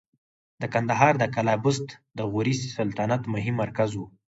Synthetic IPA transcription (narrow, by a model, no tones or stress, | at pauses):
d̪əkand̪aɦɑɾd̪əkalɑbʊst̪d̪əɣuɾissalt̪anat̪mʊɦimːaɾkazwu